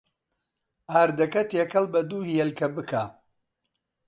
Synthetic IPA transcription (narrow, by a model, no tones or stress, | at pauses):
aːɾd̪ɐkɐt̪ekɐlbɐd̪uːhijɛlkɐbɨkʰaː